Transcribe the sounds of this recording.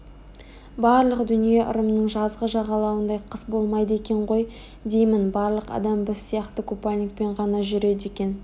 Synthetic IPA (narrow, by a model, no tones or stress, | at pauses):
bɑɾlˠəqd̪ʏnije̞ʔʊ̰ɾəmnəɴʒɑzʁəʒɑʁɑlˠɑwənd̪ɑjqʰəsbo̞lˠmɑjd̪əe̞kʲe̞ɴʁo̞j | d̪e̞jmɪnbɑɾlˠəqɑ̰d̪ɑmbɪsːijɑqt̪əkʰupalʲnʲik̚pe̞ɴʁɑnɑʒʏɾe̞d̪e̞kʲe̞n